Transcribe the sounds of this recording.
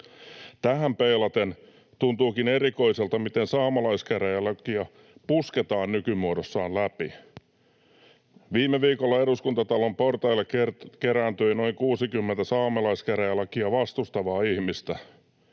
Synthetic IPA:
t̪æɦæmpeilɑt̪en | t̪unt̪uːkineɾiko̞iselt̪ɑmit̪ensɑːmɑlɑiskæræjælɑkiæ | pusket̪ɑːnnykymuodosːɑːnlæpḭ | ʋiːmːeʋiːkolːɑeɾuskunt̪ɑt̪ɑlomport̪ɑilːekrkeɾænt̪øino̞iŋkuːsikymːent̪æsɑːmɑlɑiskæræjɑlɑkiæʋɑst̪ust̪ɑʋɑːihmist̪æ

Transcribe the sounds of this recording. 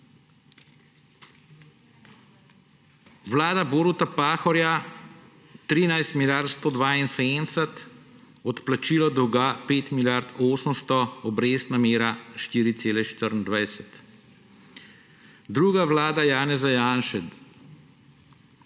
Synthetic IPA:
ʋlaːd̪aboːɾut̪apaːxɔɾja | t̪ɾiːnajst̪miljaɾt̪st̪ɔd̪ʋaːinseːd̪ənsɛt̪ | ɔt̪plat͡ʃiːlɔd̪uɡaːpeːt̪miljaɾt̪oːsəmst̪ɔɔbɾeːst̪nameːɾaʃt̪iːɾit̪seːlɛʃt̪əɾnd̪ʋajsɛt̪ | d̪ɾuːɡaʋlaːd̪ajaːnɛzajaːnʃɛt̪

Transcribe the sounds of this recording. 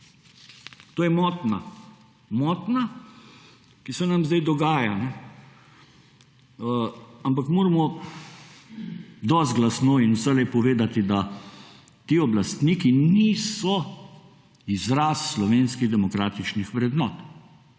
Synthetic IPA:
t̪oːjɛmɔːt̪na | mɔːt̪na | kisɛnamzd̪ajd̪ɔɡaːjanɛ | amp̬akmoːɾamɔ | d̪ɔsd̪̚ɡlasnoːinwsɛlɛpɔʋeːd̪at̪id̪a | t̪iːɔblast̪niːkiniːsɔ | izɾaːsːlɔʋeːnskiɣd̪ɛmɔkɾaːt̪it͡ʃnixʋɾɛd̪nɔːt̪

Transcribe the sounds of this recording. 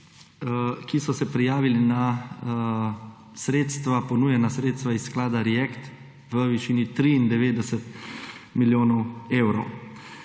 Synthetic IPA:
kisɔsɛpɾijaːʋilina | sɾeːt̪st̪ʋapɔnuːjɛnasɾeːt̪st̪ʋaisːklaːd̪aɾɛjɛkt̪ | ʋəʋiʃiːnit̪ɾiːnd̪ɛʋeːd̪ɛsɛt̪miljoːnɔweːwɾɔw

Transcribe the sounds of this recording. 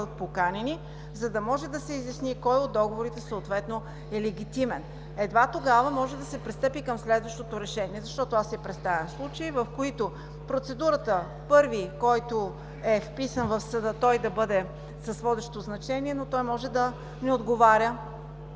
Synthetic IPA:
d̪ət̪̚pokanɛni | zɐd̪ɐmɔʒɛd̪ɐsɛizjɐsnikɔjod̪ːɔɡovoɾit̪ɛsoot̪vɛt̪no | ɛlɛɡ̟ʲit̪imɛn | ɛd̪vat̪oɡavɐmɔʒɛd̪ɐsɛpɾist̪ɤpikəmslɛd̪vɐʃt̪ot̪oɾɛʃɛniɛzɐʃt̪ɔt̪oasɛpɾɛt̪st̪avʲɛmslˠut͡ʃəivɐfkoit̪o | pɾot̪sɛd̪uɾət̪ə | pɤɾvikɔjt̪o | ɛfpisənvɐfsəd̪ɤt̪ɔjd̪ɐbɤd̪ɛ | sɐsvɔd̪ɛʃt̪oznɐt͡ʃɛniɛnot̪ɔjmɔʒɛd̪ɐ | nɛod̪ɡovaɾʲə

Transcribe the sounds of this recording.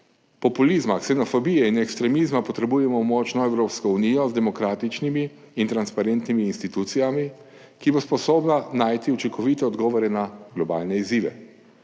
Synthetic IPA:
pɔpulizmaksɛnɔfɔbijɛinɛkst̪ɾɛmiːzmapɔt̪ɾɛbujɛmɔmɔt͡ʃnɔɛwɾoːpskɔuniːjɔzd̪ɛmɔkɾaːt̪it͡ʃnimiː | nt̪ɾanspaɾent̪nimiːnst̪it̪ut̪sijami | kibospɔsoːbnanaːjt̪iut͡ʃiŋkɔʋiːt̪ɛɔd̪ɡɔːʋɔɾɛnaɡ̥lɔba̰ːlnɛiziːʋɛ̰

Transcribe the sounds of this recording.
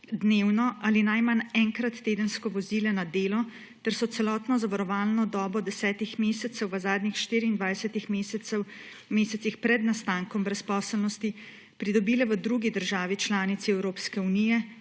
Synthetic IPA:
d̪neːwnɔʔalinajmanɛŋkɾat̪ːeːd̪ənskɔʋɔziːlɛnad̪eːlɔ | t̪ɛɾsɔt̪sɛlɔːt̪nɔzaʋaɾɔʋaːlnɔd̪ɔːbɔd̪ɛsɛːt̪ixmeːsɛt̪sɛwʋəzaːd̪ɲixʃt̪iːɾiːnd̪ʋajsɛt̪ixmeːs | meːsɛsixpɾɛd̪nast̪aːŋkɔmbɾɛspɔːsəlnɔst̪i | pɾid̪ɔbiːlɛʋəd̪ɾuɡid̪əɾʒaːʋit͡ʃlaːnit̪siɛwɾoːpskɛunijɛ

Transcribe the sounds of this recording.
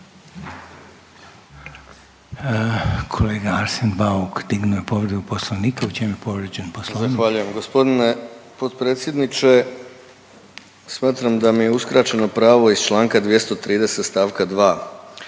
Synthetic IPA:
kʰoleːɡaaɾsenbaukd̪iɡnujepoʋɾed̪uposlˠoʋniːkaut͡ʃemujepoʋɾed͡ʑenposlˠozaxʋaːʎuje̞mɡo̞spo̞d̪inepo̞t̪pɾe̞ːt̪sje̞d̪nit͡ʃe̞ | smaːt̪ɾamd̪amije̞uskɾat͡ʃeno̞pɾaːʋo̞ist͡ʃlˠaːŋkad̪ʋje̞st̪o̞t̪ɾiːd̪e̞set̪st̪aːʋkad̪ʋaː

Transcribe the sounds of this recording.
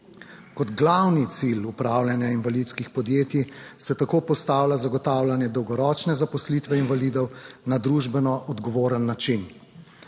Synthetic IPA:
kɔd̪ɡlawnit̪silupɾawlʲanjainvalit̪skixpɔd̪jeːt̪isɛt̪akoːpɔst̪aːwlazaɡɔt̪aːwlʲanjɛd̪ɔwɡɔɾɔːt͡ʃnɛzapɔslit̪ʋɛinvaliːd̪ɔwnad̪ɾuʒbɛnɔʔɔd̪ɡɔʋoːɾənːat͡ʃin

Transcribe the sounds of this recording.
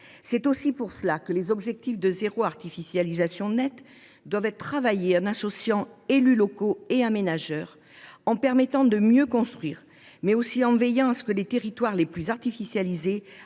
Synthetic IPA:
sɛt̪osipuʁsəlakəlezɔbʒɛk̚t̪ifd̪əzeʁoaʁt̪ifisjalizasjɔ̃nɛt̪ | d̪wavɛt̪χavajeɛ̃nasɔsjɑ̃elylɔkoeãmenaʒœʁ | ɑ̃pɛʁmɛt̪ɑ̃d̪əmjøkɔ̃st̪χɥiːʁ | mɛosiɑ̃vɛjɑ̃asə̥kəlet̪eʁit̪waʁleplyzaʁt̪ifisjalize

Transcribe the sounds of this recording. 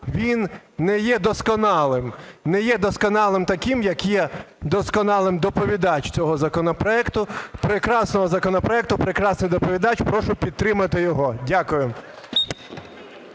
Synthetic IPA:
ʋʲinːɛjɛd̪ɔskɔnɑlˠɪmnɛjɛd̪ɔskɔnɑlˠɪmt̪ɐkʲimjɐkjɛ | d̪ɔskɔnɑlˠɪmd̪ɔpɔʋʲid̪ɑt͡ʃt͡sʲɔɦɔzɐkɔnɔpɾɔɛkt̪ʊpɾekɾɑsnɔɦɔzɐkɔnɔpɾɔɛk̚t̪ʊpɾekɾɑsnɪjd̪ɔpɔʋʲid̪ɑt͡ʃpɾɔʃʊpʲid̪̚t̪ɾɪmɐt̪ɪjɔɦɔdʲakʊjʊ

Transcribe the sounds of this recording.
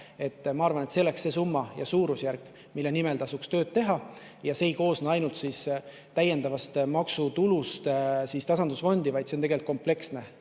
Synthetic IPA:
e̞t̪ːmɑɑɾvɑne̞t̪seoleksːe̞ːsumːɑjɑsuːɾusjærkˑ | milːenimelt̪ɑsukst̪ø̞ːd̪̥̚t̪e̞ɦɑ | jɑseːijko̞ːsnɑɑjnult̪sis | t̪æje̞nd̪ɑvɑst̪mɑksut̪ulust̪sist̪ɑsɑnd̪̥usfo̞nd̪ivɑjd̪̥set̪eɡe̞lt̪komple̞ksne̞

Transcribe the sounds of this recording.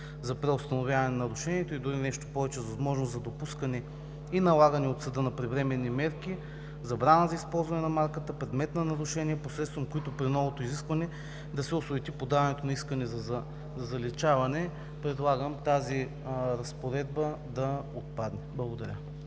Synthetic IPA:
zɐpɾɛost̪ɐnovʲjavɐnɛnɐɾʊʃɛniɛt̪oid̪ʊɾinɛʃt̪o̥pɔvɛt͡ʃɛzvɐzmɔʒnoszɐd̪opuskɐnɛ | inɐlˠaɡənɛot̪sɐd̪ɤnɐpɾɛvɾɛmɛnːimɛɾki | zɐbɾanəzɐispɔlˠzvɐnɛnɐmaɾkət̪əpɾɛd̪mɛt̪nɐnɐɾʊʃɛniɛposɾɛt̪t̪vɐmkoit̪opɾinɔvot̪oiziskvɐnɛ | d̪ɐsɛosovɛt̪ipod̪avɐnɛt̪onɐiskɐnɛzɐzɐ | zɐzɐlɛt͡ʃavɐnɛ | pɾɛd̪lˠaɡəmt̪azi | ɾɐspoɾɛd̪̚bə | d̪ɐot̪̚pad̪nɛblˠɐɡod̪ɐɾʲə

